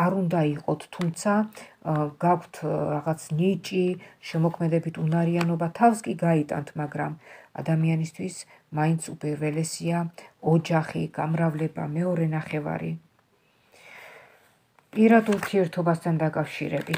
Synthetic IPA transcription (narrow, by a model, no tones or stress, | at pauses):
aɾund̪aiqʼɔt̪ʰːumt̪sʰa | ɡ̥akʷʰt̪ʰɾaʁat̪sʰnit͡ʃʼiʃɛmɔkʰmɛd̪ɛbit̪ʰunaɾianɔbat̪ʰafskʼiɡait̪ʼa̰nt̪ʰmaɡɾama̰d̪amianist̪ʰwis | maint̪sʰupʼiɾvɛlɛsiaɔd͡ʒaχḭɡ̥amɾavlɛba̰mɛɔɾɛnaχɛva̰ɾḭ | pʼiɾad̪uɾt̪ʰiɛɾt̪ʰɔbast̪ʰand̪akʼafʃḭɾɛbi